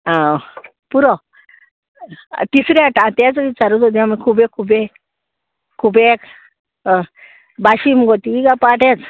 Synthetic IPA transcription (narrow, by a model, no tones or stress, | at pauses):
a | puɾɔ | t̪isɾeaʈãt̪ɛ̃t͡sʋit͡saɾut̪od̪iamikʰubekʰube | kʰːubek | baɕimɡot̪iiɡapaʈʰɛ̃t͡s